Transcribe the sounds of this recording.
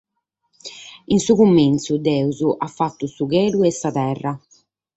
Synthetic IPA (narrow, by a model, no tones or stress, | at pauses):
insukumːint̪sud̪ɛːuzuʔafːat̪ːusuɣeːɾuɛsːat̪ɛrːa